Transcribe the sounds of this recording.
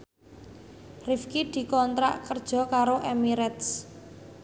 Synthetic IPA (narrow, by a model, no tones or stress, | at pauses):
rifkid̪̥i̤kɔnt̪ɾa̰ʔkərd̥ʒ̥ɔ̤kaɾoʔemiɾɛt̪s